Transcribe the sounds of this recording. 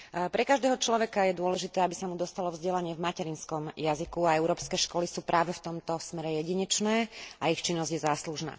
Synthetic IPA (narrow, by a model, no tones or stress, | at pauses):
pɾɛkaʒd̪ɛːɦɔt͡ʃlɔʋɛkajɛd̪ʊɔlɛʒit̪ɛːabisamud̪ɔst̪alɔvzɟɛlaɲɪɛvmacɛɾinskɔmjazikuaɛʊɾɔːpskɛːʃkɔlisuːpɾʔaːʋɛft̪ɔmt̪ɔsmɛɾɛjɛɟiɲɛt͡ʃnɛːaixt͡ʃinːɔzɟjɛzaːsluʒna̰ː